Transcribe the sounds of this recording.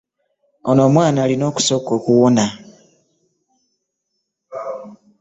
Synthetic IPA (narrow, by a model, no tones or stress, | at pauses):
ono̞ːmwaːnalino̞ːku̥so̞ːko̞ːkuwona